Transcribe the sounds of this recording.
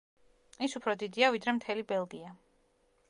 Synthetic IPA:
isupʰɾɔd̪id̪iavid̪ɾɛmt̪ʰɛlibɛlˠɡia

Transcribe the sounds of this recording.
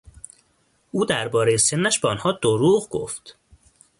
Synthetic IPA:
ʔuːd̪æɾbɒːɾe̞jese̞nːæʃbeɒnhɒːd̪oɾuːɣɡo̰ft̪

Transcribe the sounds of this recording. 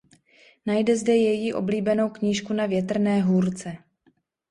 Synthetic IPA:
najdɛzdɛjɛjiʔo̞bliːbɛno̞wkɲiːʃkunavjɛt̪r̩nɛːɦuːɾt͡sɛ

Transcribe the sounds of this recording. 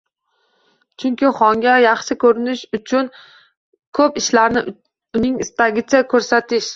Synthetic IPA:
t͡ʃʰʊŋkʲɪχɒŋɡʲajɑχʃɪkʰɵɾɪnɪʃʊt͡ʃʰʊn | kʰɵpɪʃlaɾnɪ | ʊnɪŋɪst̪aɡʲɪt͡ʃʰakʰɵɾsat̪ʰɪʃ

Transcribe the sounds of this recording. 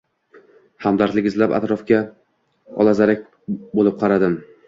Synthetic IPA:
hamd̪aɾt̪lɪɡʲɪzlapa̰t̪ɾɒfkʲa | ɒ̰lˠazaɾak̚ʲ | bolɪp̚qʰɑɾad̪ɪm

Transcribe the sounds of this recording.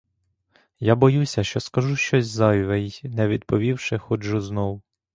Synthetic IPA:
jabɔjusʲɐʃt͡ʃɔskɐʒuʃt͡ʃɔsʲzɑjʲʋɛjnɛʋʲid̪̚pɔʋʲiwʃɪxɔʒʊznɔw

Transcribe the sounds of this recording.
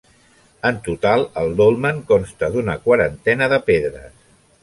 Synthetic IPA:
ənt̪ut̪alˠəlˠd̪olˠməŋkɔnst̪əd̪unəkwəɾənt̪ɛnəðəpeðɾə̰s

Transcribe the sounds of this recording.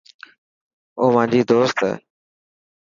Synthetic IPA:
oːmãːɲd͡ʑiːd̪oːst̪ɛ̰ː

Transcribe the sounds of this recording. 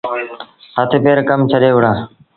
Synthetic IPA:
ət̪ʰeːpeːɾkəmt͡ʃʰəɗeːʋʊɽãː

